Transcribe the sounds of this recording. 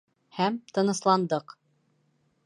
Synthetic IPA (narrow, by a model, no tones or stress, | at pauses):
hæmt̪ɤ̆nɤ̆slˠɑnd̪ɤq